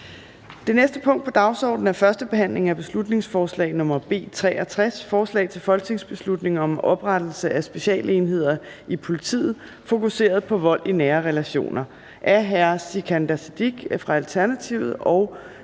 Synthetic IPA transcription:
d̥e̝nesd̥əpʰɔ̽ŋ̰d̥pʰɒ̽d̥ɑ̈ʊsɒ̰ːd̥n̩æɐfɶɐsd̥əb̥e̝ɦæn̰le̝ŋ̩æb̥e̝slud̥ne̝ŋsfɒːslɛ̰ɪnɔ̽mɐb̥e̝̰ːt͡sʰʁɛ̰ːɐt͡sʰʁasfɒːslɛ̰ɪt͡sʰe̝lfɒ̽lɡ̥̚t͡sʰe̝ŋsb̥e̝slud̥ne̝ŋɒ̽mɒ̽b̥ʁad̥l̩səʔæsb̥e̝ɕɛ̰ːləe̝nɦe̝ð̞̰ˠɐ | ipʰo̝lit͡sʰḭːð̩ˠ | fo̝kuse̝̰ːɐð̞̩ˠpʰɒ̽ʋɒ̽l̰inæːɐʁɛlæɕo̝̰ːnɐ | ʔæɐɦæɐsikʰænd̥æsed̥iɡ̥fʁɑ̈ælt͡sʰæɐnæt͡sʰiʊð̩ˠɒ̽ʊ

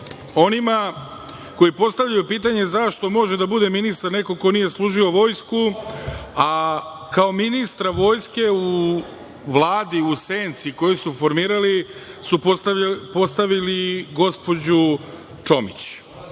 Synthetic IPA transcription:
o̞nima | ko̞jipo̞st̪aʋvʎajupiːt̪̬aɲe̞zaʃt̪o̞mo̞ʒed̪abud̪e̞minist̪aɾne̞ko̞ko̞nije̞slˠuːʒio̞ʋo̞ːjsku | a | kao̞minist̪ɾaʋo̞ːjske̞u | ʋlˠaːd̪iuseːnt̪siko̞jisufo̞ɾmiːɾali | sup̪po̞st̪aʋiliɡo̞spo̞d͡ʑu | t͡ʂo̞mḭt͡ɕ

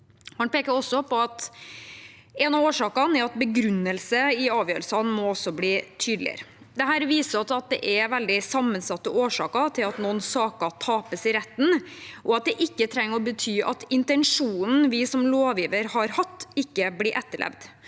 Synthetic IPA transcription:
hɑnpʰeːkəɾɔsːɔpʰɔɑt̪ | ɛnɑoːʂɑːkɑnɛɑt̪̚bəɡɾʉnːəlsəɪɑːʋjøːɾəlsɑnmɔɔsɔbliːt̪ʰyːd̪l̩ɪ̰ə̰ɾ | d̪ɛhæːɾʋiːsəɑt̪ɑt̪̚d̪ɛ̰ʔɛʋɛld̪ɪsɑmːənsɑt̪ːəoːʂɑ̰ːkɑt̪ʰɪlɑt̪nɔnsɑːkɑt̪ʰɑːpəsɪɾɛt̪ːn̩ʔɔɑt̪̚d̪ɛʔɪkːət̪ʰɾɛŋːəɾɔbət̪ʰyːʔɑt̪ɪnt̪ɛnʂuːnn̩ʋɪsɔmloːʋjiːʋəɾhɑɾhɑt̪ːɪkːəbliːʔɛt̪ːəɭʔɛ̰ʋd̪

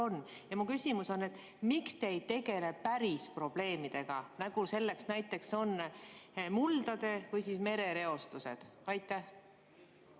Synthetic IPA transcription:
o̞nːjɑmukysʲimuso̞nːe̞t̪ˑ | mikst̪e̞jt̪e̞ɡe̞le̞pæɾispro̞b̥le̞ːmid̪̥e̞ɡ̥ɑnæɡ̥use̞lːe̞ksnæjt̪ːˑe̞kso̞nː | muld̪̥ɑd̪̥e̞vɯjsisme̞ɾe̞ɾe̞o̞st̪use̞̰d̪̥ɑjt̪ːˑæh

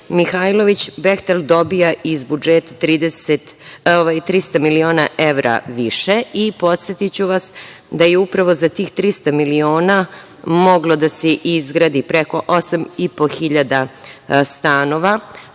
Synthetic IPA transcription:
mixajlˠo̞ʋit͡ɕbext̪eld̪o̞bijaʔizbud͡ʒet̪at̪ɾiːd̪eset̪ | oʋajt̪ɾist̪amilio̞ːnaʔe̞ʋɾa̰ʋiʃeipo̞t̪se̞t̪it͡ɕuʋas | d̪ajeupɾaʋo̞zat̪iːxt̪ɾist̪amilio̞ːna | mo̞ɡlo̞d̪aseʔizɡɾaːd̪ipɾeko̞ʔosamipo̞xiʎad̪ast̪aːno̞ʋa

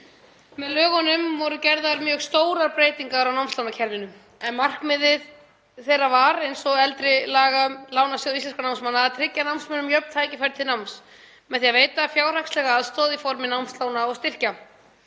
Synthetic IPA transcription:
mɛðlœːɣɔnʏmvɔɾʏcɛɾðaɾmjœːɣst̪oːwɾaɾpɾeːjt̪iŋkaðɾawnawmst̪lawnacʰɛlvɪnʏm | ɛnmar̥kmɪðɪð | θejravaɾejnsɔɣɛlt̪ɾɪlaːɣamlawnasjoðist̪ɛnskanawmsmanːaðat̪ʰɾɪcːanawmsmœnʏmjœpn̥t̪ʰaːjcɪfɛɾt̪ʰɪnawms | mɛðθiaveːjt̪afjaːwr̥akslɛɣaːðst̪ɔːðifɔɾmɪnawmst̪lawnaɔɣst̪ɪr̥ca

